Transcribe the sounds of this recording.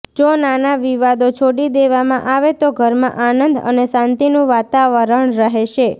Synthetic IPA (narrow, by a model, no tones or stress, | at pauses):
d͡ʒonanaʋiʋad̪ot͡ʃʰoɽid̪eʋamãʔaʋet̪oɡʱəɾmã̰ʔanənd̪ə̰nesãnt̪inũʋat̪aʋəɾəɳɾəɦeʃe